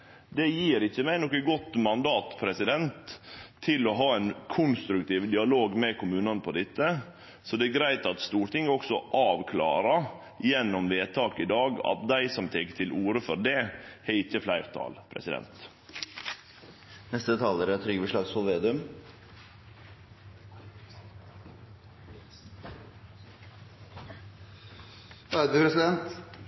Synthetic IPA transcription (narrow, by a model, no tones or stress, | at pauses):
d̪ɛjiːɾɪçːəmæɪnɔkəɡɔt̪ːmɑnd̪ɑːt̪pʰɾɛsɪd̪ɛnt̪ʰːɪlɔɦɑːænkʰʊnst̪ɾʉk̚t̪ʰiːʋd̪ɪɑloːɡmɛkʰʊmʉːnɑnəpʰɔd̪ɛt̪ːə | sɔd̪ɛæɾɡɾæɪt̪ɑt̪st̪uːɾʈɪŋːɔksɔʔɑːʋkʰlɑ̰ːɾɑ | jɛnːɔmʋeːt̪ʰɑːkɪd̪ɑːɡɑ̰t̪̚d̪æɪsɔmt̪ʰɛkə̥ʈ̪ʰɪlʔuːɾəfɔɾɖɛhɛɪt̪əflæɪɾt̪ʰɑ̰ːlpʰɾɛ̰sɪd̪ɛ̰nt̪ | nɛst̪əd̪ɛt̪ʰɑləɾæt̪ʰɾʏɡəʋɪʂlɑːɡsɔlʋeːd̪ʉm | æd̪ʉpʰɾɛsɪd̪ɛnt̪